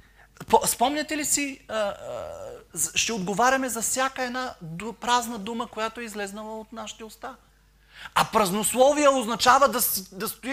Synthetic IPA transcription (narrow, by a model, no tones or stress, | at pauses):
pspɔmnʲɛt̪ɛlisiə | ʃt̪ɛod̪ɡovaɾʲɐmɛzɐfsʲjakəɛd̪napɾaznɐd̪uməkojat̪oɛizlɛznɐlˠɐot̪naʃi̥t̪ɛost̪a | ɐpɾɐznoslˠɔvijəoznɐt͡ʃavəd̪ɐsd̪ɐst̪ʊ